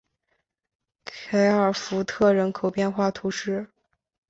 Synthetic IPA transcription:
kʰe˧˥ɪə˞˨˩fu˧˥t̪ʰɤ˥˩ɻə˧˥nkʰo˨˩ʊpjɛ˥˧nxwa˥˩t̪ʰu˧˥ʂɻ̩˥˩

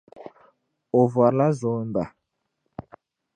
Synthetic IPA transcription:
o˨vwa˨ɾla˦zo˨˦mba˨

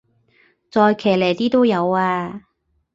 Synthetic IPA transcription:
t͡sɔː˧jkʰɛː˨˩lɛː˨˩jt̪iː˥t̪o˥wjɐ˨˧waː˧

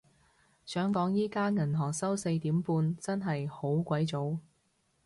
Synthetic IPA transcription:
sœː˨˥ŋkɔː˨˥ŋjiː˥kaː˥ŋɐ˨˩nɦɔː˨˩ŋsɐ˥wse˧jt̪iː˨˥mpuː˧nt͡sɐ˥nɦɐ˨jho˨˥wkʷɐ˨˥jt͡so˨˥w

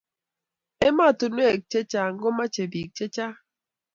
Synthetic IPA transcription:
e˦ma˦˨tu˨nwe˦˨k̚t͡ʃe˦t͡ʃa˦ŋ̩˦ɡo˦ma˦t͡ʃe˨bi˨k̚t͡ʃe˦t͡ʃa˦

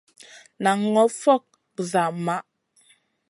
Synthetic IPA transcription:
na˨ŋːɔ˨˦fɔ˦˨k̚ | za˨ma˦ʔ

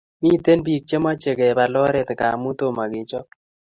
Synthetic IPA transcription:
mi˦˨t̪e˦nbi˨k̚t͡ʃe˦ma˦t͡ʃe˨ɡe˨ba˨lɔ˦ɾɛ˦t̪ka˨mu˦t̪o˦ma˨ɡɪ˨t͡ʃɔ˦

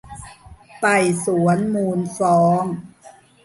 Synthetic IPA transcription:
pa˨˩jsu˩˦ənmuː˧˩nsɔː˩˦ŋ

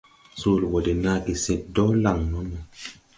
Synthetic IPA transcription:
soː˦˨lwɔ˨de˨na˦ki˨se˨t̚dɔ˦la˨ŋnɔ˦nɔ˨

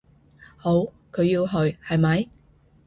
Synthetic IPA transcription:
ho˨˧˥w | kʰɵ˨˧ɥjiː˧wɦɵ˨˧ɥhɐ˨jmɐ˨j

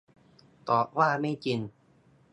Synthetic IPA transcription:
t̪ɔː˨˩p̚waː˥˩ma˥˩jt͡ɕi˧n

